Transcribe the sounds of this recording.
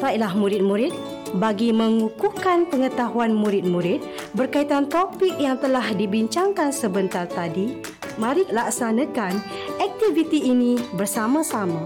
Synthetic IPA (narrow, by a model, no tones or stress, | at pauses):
fajlahmũɾɪt̪̚mũɾɪt̪̚ | baɡimə̃ŋukukanpəŋət̪aɦuanmũɾɪt̪̚mũɾɪt̪̚ | bərkait̪ant̪opik̚jaŋt̪əlahdibiɲt͡ʃaŋkansəbənt̪art̪adi | mãɾɪʔlaksanãkan | ɛk̚t̪ivit̪iːnĩbərsamãsamã